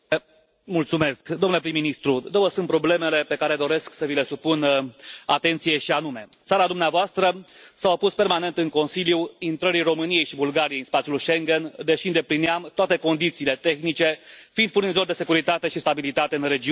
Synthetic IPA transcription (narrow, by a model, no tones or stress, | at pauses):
mult̪sume̞skd̪o̞mnule̞pɾimːinist̪ɾud̪owəsunt̪pɾo̞ble̞me̞le̞pe̞kaɾe̞d̪o̞ɾe̞sksəvile̞supunat̪e̞nt̪sije̞ʃianume̞t̪saɾad̪umneavoast̪ɾəsawapuspe̞rmane̞nt̪ɨŋko̞nsiljuint̪ɾəɾiro̞mɨnije̞jʃibulɡaɾijeɨnspat̪sijulujʃe̞ŋɡend̪e̞ʃiɨnd̪e̞pliniamt̪oat̪e̞ko̞nd̪it̪siːle̞t̪e̞xnit͡ʃe̞find̪̚purnizo̞rʲd̪e̞se̞kuɾit̪at̪e̞ʃist̪abilit̪at̪e̞ɨnre̞d͡ʒi